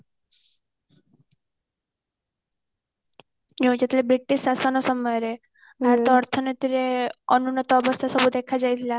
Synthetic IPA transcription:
jod͡ʒet̪lebɾiʈiʃasɔnɔsɔmɔjɾe | bʱaɾt̪ɔːɾt̪ʰɔnit̪iɾeənunɔt̪ɔːbɔst̪ʰasɔbud̪ekʰad͡ʒajt̪ʰila

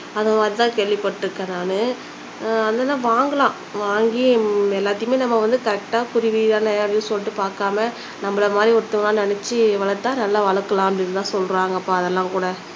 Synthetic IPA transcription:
ɐðɐmaːɾt̪ãːkeːɭʋɪpːɐʈːɪɾɯkːɐnaːnɯ | ɐnd̪ɐːnːaːʋaːŋɡɐlãː | ʋaːŋɡiɛlːaːt̪ːɐɪjɯmeːnɐmːɐʋɐnd̪ɯkɐɾɛk̚ʈaːkʊɾɪʋiãːnɛjɽɪjɯsɔlːɪʈːɯpaːɾkaːmɐ | nɐmːɐɭɐmaːd̪ɾiɔɾt̪ːɐmɐlãːnɛnɛt͡ʃːɯʋɐɭɐt̪ːãːnɐlːaːʋɐɭɐkːɐlãːɐpɐɽɪnːt̪ãːsɔlɾaːŋɡɐːpːaɐðɛlːãːkuːɽɐ

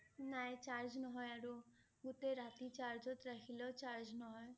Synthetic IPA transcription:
najt͡ʃaɾd͡ʒnɔɦɔjaɾu | ɡut̪eɾat̪it͡ʃaɾd͡ʒɔt̪ɾakʰilɔt͡ʃaɾd͡ʒnɔɦɔj

